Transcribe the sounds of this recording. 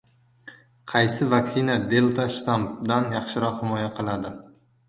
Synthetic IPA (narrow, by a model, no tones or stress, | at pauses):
qʰɑjsɪvaksɪnad̪e̞lˠt̪ʰaʃt̪ampd̪anjɑχʃɪɾɒqhɪmɒjaqʰɨlˠad̪ɪ